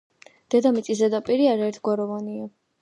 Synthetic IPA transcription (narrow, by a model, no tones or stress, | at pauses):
d̪̥ɛd̪amit̪sʼis̬ɛd̪apʼiɾiaɾaɛɾt̪ʰɡwaɾɔvɔnia